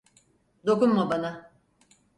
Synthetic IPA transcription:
d̪o̞kunmabana

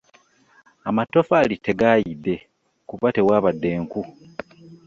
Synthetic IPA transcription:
amato̞falite̞ɡajidːe̞ | kuβate̞waːβadːe̞ːŋku

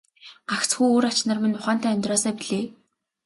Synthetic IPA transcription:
ɢaxt͡sxujoːɾat͡ɕnə̆rmĭnʊχaːn̥t̪æːœnʲt̪rɔːsœːpiɮeː

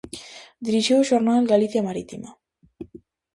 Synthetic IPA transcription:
d̪ɾiʃioʃoɾnaelɡaliθijamaɾit̪ima

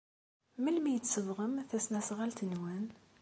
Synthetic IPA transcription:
məlmijət͡sːsəvʁəmθæsnæsʁalt̪ənwæn

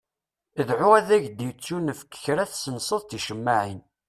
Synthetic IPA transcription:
əðʕuæðæʝd̪it͡sːunəfə̥kːə̥çɾæθsənsˤəðˤt̪iʃəmːaʕin

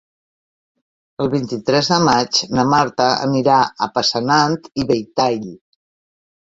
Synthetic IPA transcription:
əlˠβint̪it̪ɾɛzðəmat͡ʃnəmaɾt̪əə̰niɾaə̰pəsənant̪iβejt̪ajʎ

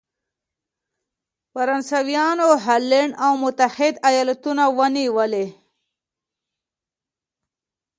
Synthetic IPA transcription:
faɾansawjɑnoɦalːeɳɖawmʊt̪ahɪd̪ajɑlat̪unawəniwəle

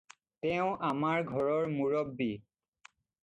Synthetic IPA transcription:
tɛʊ̃ʔamaɹɡʱɔɹɔɹmuɹɔbːi

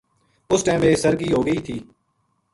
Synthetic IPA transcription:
ʊsʈɛ̃ːʋeːsəɾɡiːɦoːɡəiːt̪ʰiː

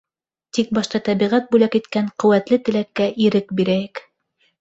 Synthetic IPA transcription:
t̪ik̚bɑʃt̪ɑt̪æβiʁæt̪̚bʉlækit̪kæɴqɵ̆wæt̪lɘt̪ɘ̆lækːæʔiɾɘk̚biɾæjɘk

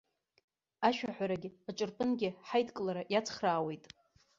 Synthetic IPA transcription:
aʃᶣaħʷᶣaɾaɡʲɪaʈ͡ʂʼɨrpʼɨnɡʲɪħajtʰʼkʼlaɾajat͡sʰχraːwe̞jtʼ

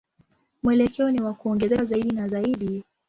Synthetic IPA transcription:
mwɛlɛkʰɛɔniwakuɔŋɡɛzɛazaiɗinazaiɗi

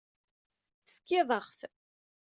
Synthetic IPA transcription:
θəfkːɪðˤəχθ

